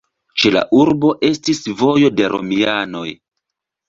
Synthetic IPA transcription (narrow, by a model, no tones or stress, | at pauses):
t͡ʃe̞la̰ʔuɾbo̞ʔe̞stisvo̞jo̞de̞ɾʔo̞̰miano̞j